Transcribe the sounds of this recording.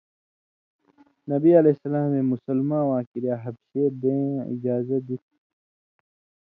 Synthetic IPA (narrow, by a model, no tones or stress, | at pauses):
nɐbiɐlesɐlaːmẽmʊsɐlmãːwãːkiɾijaːɦɐbsebẽːḭd͡ʑaːzɐd̪it̪ʰ